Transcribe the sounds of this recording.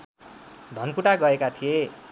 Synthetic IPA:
d̪ʱʌnkuʈaɡʌekat̪ʰije

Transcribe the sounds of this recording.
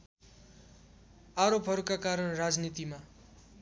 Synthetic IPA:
aɾopɦʌɾukakaɾʌnrad͡znit̪ima

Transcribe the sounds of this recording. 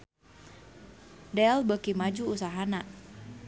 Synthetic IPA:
dɛlbəkimad͡ʒuusaɦanaʔ

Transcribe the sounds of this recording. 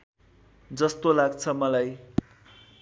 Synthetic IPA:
d͡zʌst̪olaɡt͡sʰʌmʌlaj

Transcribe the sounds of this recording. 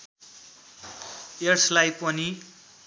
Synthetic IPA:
erslajpʌni

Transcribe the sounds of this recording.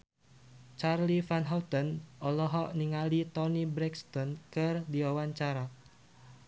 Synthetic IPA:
t͡ʃarlifanɦawt̪ɔnɔlɔɦɔʔniŋalit̪ɔnibɾɛkst̪ɔnkɨrdiwawaɲt͡ʃaɾa

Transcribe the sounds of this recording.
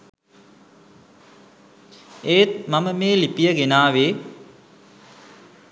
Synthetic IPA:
eːt̪̚maməmeːlipijəɡenaːʋeː

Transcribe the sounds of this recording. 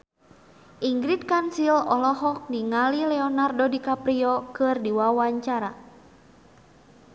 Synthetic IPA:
ʔiŋɡɾit̪̚kansilɔlɔɦɔk̚niŋalilɛɔnardɔdikapɾiɔkɨrdiwawaɲt͡ʃaɾa

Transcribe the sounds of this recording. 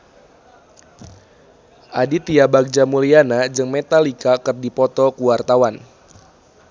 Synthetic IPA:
ʔadit̪iabak̚d͡ʒamulianad͡ʒɨŋmet̪alikakɨrdipɔt̪ɔkuwart̪awan

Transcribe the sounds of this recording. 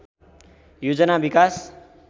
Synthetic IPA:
jod͡zʌnabikas

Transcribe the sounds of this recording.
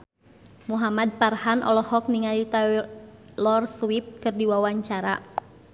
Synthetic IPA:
muɦamad̪̚parhanʔɔ̰lɔhɔk̚niŋalit̪a | lɔrswip̚kɨrdiwawaɲt͡ʃaɾa̰

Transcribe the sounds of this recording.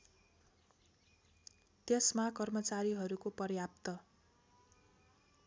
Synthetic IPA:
t̪esmakʌrmʌt͡saɾiɦʌɾukopʌrjap̚t̪ʌ

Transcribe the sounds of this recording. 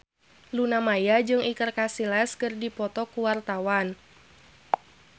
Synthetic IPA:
lunamajad͡ʒɨŋikərkasilaskɨrdipɔt̪ɔkuwart̪awan

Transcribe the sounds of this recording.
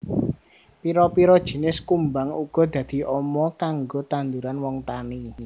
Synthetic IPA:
piɾɔpiɾɔd̥ʒ̥i̤nɪskumbaŋuɡ̥ɔ̤d̪̥ä̤d̪̥i̤ʔɔmɔkaŋɡot̪and̪uɾanwɔŋt̪ani

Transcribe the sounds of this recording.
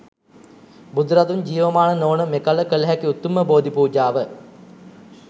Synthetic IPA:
bud̪uɾat̪uɲd͡ʒiːʋəmaːnənoːnəmekaləkələɦækiut̪ːuməboːd̪ipuːd͡ʒaːʋə

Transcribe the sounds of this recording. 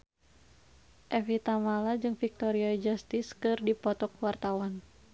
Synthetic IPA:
ʔɛvit̪amalad͡ʒɨŋfik̚t̪ɔɾiad͡ʒast̪iskɨrdipɔt̪ɔk̚wart̪awan

